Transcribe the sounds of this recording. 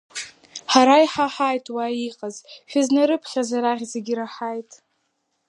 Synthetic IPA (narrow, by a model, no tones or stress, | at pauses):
ħaɾajħaħajtʼwaiqʼazʃᶣaznaɾɨpʰχʲazaɾaʁʲzeɡʲiɾaħajtʼ